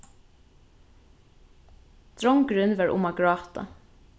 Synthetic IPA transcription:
t̪ɹɔŋɡɾʏnʋɑɹʔʊ̰maɡɹɑːt̪a̰

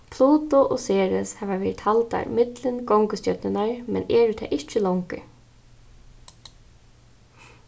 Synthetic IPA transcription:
pʰluːt̪ʊʔɔseːɹɪshɛːʋaʋɛːɾɪt̪halt̪a̰ɹ̰mɪt̪lɪnkɔŋkəst̪jœt̪nɪnaɹmɛ̰nɛːɹʏt̪ʰɛ̰ːʔɪht͡ʃɪlɔwŋkə̰

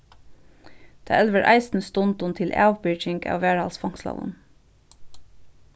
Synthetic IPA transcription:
d̪̥ʰɑ̰ːʔɛlʋəɾʔɑ̰ɪsn̩st̪ʊnt̪ʊnt̪ʰɪlʔæ̰ːʋpɪt͡ʃɪŋkɑ̰ːʋʋæːɹɑlsfɔŋ̥slɑ̰ʋʊ̰n

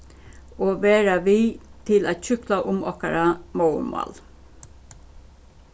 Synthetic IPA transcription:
oːʋeːɾaʋiːt̪ʰɪlæt̪çʏklaʔʊmɔ̰kaɾamoʊ̰mɑ̰l

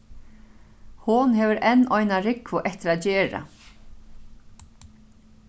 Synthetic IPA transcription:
hʊnɦɛːʋɪɾʔɛnːʔɔjnaɾɪkʋʊʔɛht̪ɪɾaðt͡ɕɛːɾa̰

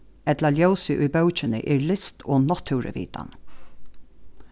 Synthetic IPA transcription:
ɛt̪laljœwsɪʔʊjbœwt͡ʃɪnə̰ʔɛːɹlɪst̪ʰoːnɔt̪ʰːʉwɾə̰ʋḭːt̪a̰n

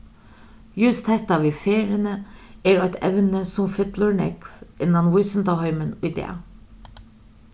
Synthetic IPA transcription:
jʉst̪hɛt̪ɑʋiːfeːɾɪənəeːɾoɛt̪ʰɛ̰ʋənəsɔmfɪt̪ləɹɳɛ̰kʋʔɪnːɑnʋʊʏsənt̪ɑhœʏmənʊɪd̪ḛːɑ̰

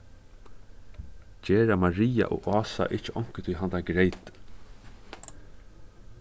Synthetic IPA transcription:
d͡ʒeːɾamaɾiːa̰ʔɔ̰ːɑːsa̰ʔɪht͡ʃɪʔɔŋ̥kət̪ʰɪjɦant̪aɡɾejt̪

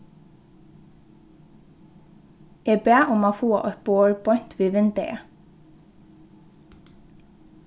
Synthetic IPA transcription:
eːbeːʔʊmɑːfuːɑ̰ʔœpoːwœːɹpʰɔʏnt̪ʋiːʋɪnd̪ə̰ʔḛ

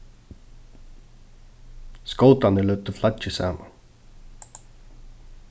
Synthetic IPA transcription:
skɔlt̪anəlœːt̪əflat͡ʃəsa̰ːma̰n

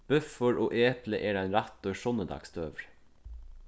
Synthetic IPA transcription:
b̥ʉfəɹʔoːʔeːpləʔeːɖɛnɾɑt̪øːʃɔnəd̪ɑ̰ːkst̪øːʋɹ

